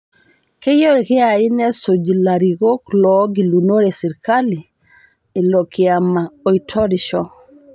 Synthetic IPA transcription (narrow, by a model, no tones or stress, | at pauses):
kejoɾekiainesod͡ʒilaɾiɡoklɔɡilunoɾesiɾkali | ilokiamaoitʰɔɾiʃɔ